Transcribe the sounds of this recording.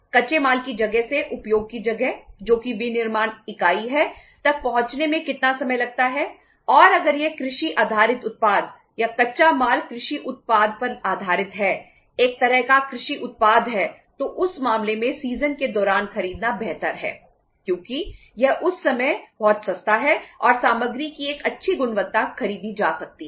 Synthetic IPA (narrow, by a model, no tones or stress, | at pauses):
kɐʃemaːlkid͡ʒɐɡɛɦseʔʊpjoːɡ̚kid͡ʒɐɡɛɦd͡ʒoːkiʋinɪɾmaːnɪkaːiɦɛt̪ɐk̚pɐɦʊ̃t͡ʃnemẽkɪt̪nasɐməjlɐɡ̚t̪aɦɛ | ɔːɾɐɡəɾjekɾɪʃiʔaːd̪ʱaːɾɪt̪ʊt̪̚paːd̪ | jakɐtːʃamaːlkɾɪʃiʔʊt̪̚paːd̪̚ʱpɐɾaːd̪ʱaːɾɪt̪ɦɛː | eːk̚t̪ɐɾəɦkakɾɪʃiʔʊt̪̚paːd̪ɦɛ | t̪oʔʊsmaːmlemẽsiːzənked̪ɔːɾaːnxɐɾiːd̪nabɛɦt̪əɾɦɛ̰ː | kjõːki | jɛɦʔʊsːɐməjb̥ɔːt̪sɐst̪ʰaɦɛɔːɾsaːməɡɾikieːkɐtːʃʰiɡʊnʋət̪ːaxɐɾiːd̪id͡ʒaːsɐk̚t̪iɦɛɛ